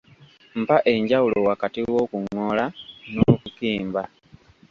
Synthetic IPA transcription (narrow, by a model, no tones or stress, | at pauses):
m̩paʔe̞ɲɟawulo̞wakatiwo̞kuŋːolanoːkukiːmba